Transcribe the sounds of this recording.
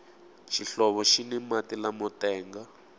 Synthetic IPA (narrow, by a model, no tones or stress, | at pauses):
ʃiɬɔβɔʃinɛmatilamɔtɛːŋɡa